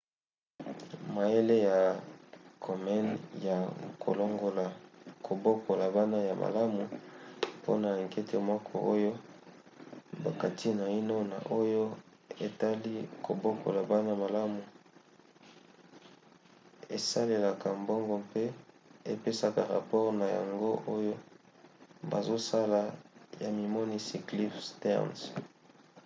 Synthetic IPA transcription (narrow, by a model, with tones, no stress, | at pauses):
ma˨e˦le˦ja˨ | kʰo˨mɛ˦nja˨kʰo̰˨lo˦ŋɡo˨la˨kʰo˨bo˦kʰo˨la˨ba˦na˦ja˨mʔa̰˨la˦mu˨po̰˦na˨ŋkɛ˦tʰe˦mɔ˦kʰɔ˨ʔo˦jo˦ | ba˨ka˨tʰi˦na˨i˦no˦na̰˨ʔo˦jo˦ | e˨ta˦li˦ko˨bo˦ko̰˨la˨ba˦na˦ma˨la˦mu˨ | e˨sa˦le˨la˨ka˨mbo˦ŋɡo˨pe˦ | e˨pe˦sa˨ka˨ʁa̰˨pɔ˦ʁna˨ja̰˨ŋɡo˦ʔo˦jo˦ | ba̰˨zo˦sa˦la˨ja˨mi˨mo˦ni˦si˨kli˦fstɛ̰˦ʁns